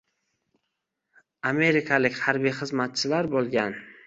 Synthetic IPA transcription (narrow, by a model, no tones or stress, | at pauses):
ame̞ɾɪkʰalɪkʲhaɾbijχɨzmat̪̚t͡ʃʰɪlaɾbolˠɡʲan